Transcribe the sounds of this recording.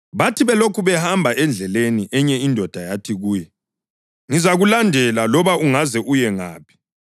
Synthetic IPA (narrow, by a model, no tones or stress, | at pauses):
βatʰiβɛlokʰuβɛhambʱaʔɛnd͡ɮʱɛleniʔɛɲɛindʱɔd̥ʱajatʰiɣuːjɛ | ŋizaɣulandʱɛlalɔβaʔuŋazɛʔujɛŋa̰ːpʰi̥